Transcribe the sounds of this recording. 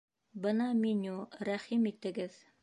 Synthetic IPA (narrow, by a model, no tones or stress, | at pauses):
bɤnɑminʲuɾæχimit̪ɘ̆ɡɘð